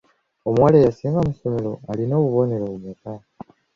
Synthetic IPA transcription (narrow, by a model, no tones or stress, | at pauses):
omwalejasiːŋɡamuso̞me̞ɾo̞alino̞ːβuβo̞ne̞ɾoβumeka